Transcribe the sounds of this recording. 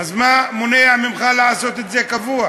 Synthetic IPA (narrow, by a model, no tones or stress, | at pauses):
azmamoneamimχalaʕaso̞t̪et̪zekavua